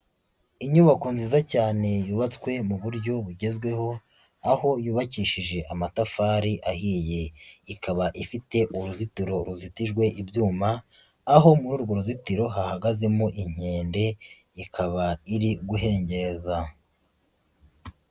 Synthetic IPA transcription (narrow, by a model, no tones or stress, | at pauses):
iɲuβakonziːzacaːne̞juːβat͡skwe̞muβuɾɟo̞βuɟe̞zɡwe̞ɦo̞ | aho̞juːβaciːʃiʒe̞ʔamatafaɾiʔahiːje̞ikaβaʔifite̞ʔuɾuzitiɾo̞ɾuzitiʒɡwe̞ʔibjuːmaː | ɦo̞muɾuːɾɡo̞ɾuzitiɾo̞ɦahaɡaze̞moʔiɲ̥e̞ːnde̞ | ikʰaβaiɾiɡuɦe̞ːɲɟe̞ɾe̞za